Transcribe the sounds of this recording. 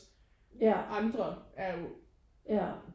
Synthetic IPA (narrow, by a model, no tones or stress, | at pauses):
jæʔɑ̈nd̥ʁɐæɐjo̝ | jæ